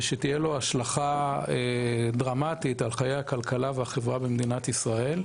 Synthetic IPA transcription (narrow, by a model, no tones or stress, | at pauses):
ʃet̪ijelo̞aʃlaχaed̪ʁamat̪it̪alχajejhakalkalaveaχevʁabemd̪inat̪isʁae̞l